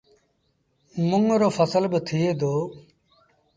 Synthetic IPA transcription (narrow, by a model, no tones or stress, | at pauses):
mʊŋɾoːfʰəsəlbət̪ʰɪeːd̪oː